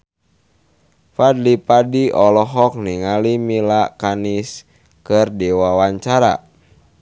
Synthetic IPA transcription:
fadlipadiʔɔlɔɦɔk̚niŋalimilakanis | kɨrdiwawaɲt͡ʃaɾa̰

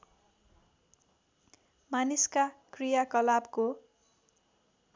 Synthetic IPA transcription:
maniskakrijakʌlabko

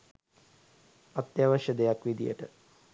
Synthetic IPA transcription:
at̪jaʋəʃjəd̪ejakʋid̪ijə̰ʈə

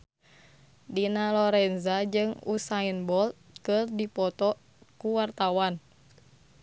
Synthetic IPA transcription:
dinalɔɾɛnzad͡ʒɨŋṵsainbɔlt̪̚kɨrdipɔt̪ɔ | kuwart̪awan

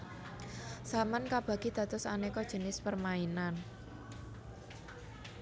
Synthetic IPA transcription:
samankab̥ä̤ɡ̥id̪̥ä̤t̪ʊsa̰nekɔd̥ʒ̥ə̤nɪspərmainan

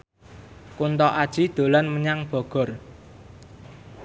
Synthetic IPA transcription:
kunt̪ɔʔad̥ʒ̥i̤d̪̥o̤lanməɲaŋb̥ɔ̤ɡ̥ɔ̤r

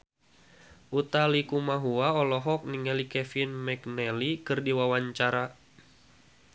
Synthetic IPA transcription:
ʔut̪alikumaɦuaɔlɔɦɔk̚niŋɛlikɛfinmɛknɛlikɨrdiwawaɲt͡ʃaɾa

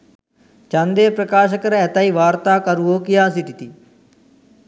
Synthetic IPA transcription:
t͡ʃãnd̪eːpɾəkaːʃ̬əkəɾɛːt̪aːiːʋaːɾt̪aːkəɾuoːkɪjaːs̬it̪ɪt̪iː

